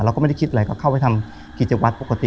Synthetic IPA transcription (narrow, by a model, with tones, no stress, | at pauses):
la˧wkːɔː˥˧˦a˥˩ki˦˥t̪̚a˨˩jkɔː˧˥˩kʰa˥˩wha˧˩jt̪ʰm | kiː˨˩t͡ɕe˨˧˦k̚wa˦˥t̪̚po˨˩ka˧t̪ḭ˨˧˨